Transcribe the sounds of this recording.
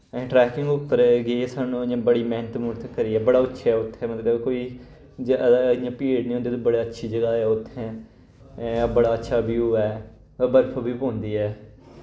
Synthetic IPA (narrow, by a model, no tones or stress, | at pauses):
ɛ̃ʈɾɛːkɪŋɡʊpːəɾɡeːsaːnũːãːbəɽiːmɛːnət̪mʊʈt̪ʰəkːəɾiːɛːbəɽaːʊtːʃʰaːɛːʊt̪ʰːɛ̃ːmət̪ləbkoːiː | d͡ʒɪjãːpeːɽnĩːɦõːnd̪eːt̪õːbəɽaːətːʃʰiːd͡ʒəɡaːɛːʊt̪ʰːɛ̃ː | bəɽaːətːʃʰaːbiuːɛː | bəɾpʰobiːpõːnd̪iːɛː